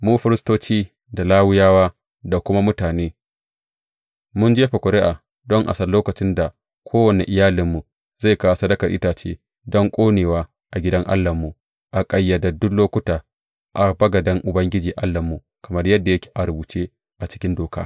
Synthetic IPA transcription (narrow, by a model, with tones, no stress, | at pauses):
muː˦ɸɪ˦ɾɪ˦stoː˦t͡ʃiː˦ | da˨laː˦wɪ˦jaː˦waː˦ | da˨kʷʊ˦ma˦mʊ˦taː˨neː˦ | mʊ˦nd͡ʒeː˦ɸɐ˨kʷʊ˨ɾɪ˦ʔa̰˨ | dɔ˦ŋʔa̰˨sɐ˨nloː˦kɐ˨t͡ʃɪ˦nda˨ | kʷʰoː˦wɐ˨ni˨ʔɪ˨jaː˦lɪ˨mːu˨ | za˦˨jkaː˦˨sɐ˦dɐ˦kɐ˨rʔɪ̰˦taː˨t͡ʃḛː˦ | dɔ˦ŋkʷʼoː˦neː˨waː˦ | ʔa˨ɡʲɪ˦dɐ˦ŋʔa̰˦lːɐ˨mːu˨ | ʔa˨kʼɐ˨jːɐ˨da˨dʊ˦loː˦kʷʊ˦taː˨ | ʔa˨bɐ˦ɡɐ˨dɐ˦ŋʔʊ˨bɐ˦ŋɡʲɪ˦d͡ʒiː˨ʔa˦lːɐ˨mːu˨ | kɐ˨mɐ˦rjɐ˦dːa˨jɐ˦kʲe̥˨ʔa˨ɾʊ˨buː˨t͡ʃeː˦ | ʔa˨t͡ʃɪ˦kʲɪ˦ndoː˨ka̰ː˦